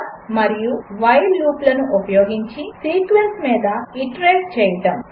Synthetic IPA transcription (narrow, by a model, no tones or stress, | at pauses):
mɐɾijuʋɐjlːuːplɐnuʔupɐjoːɡiɲt͡ʃisiːkʋensmiːd̪ɐiʈɾeːʈt͡ʃɛːjɐʈɐm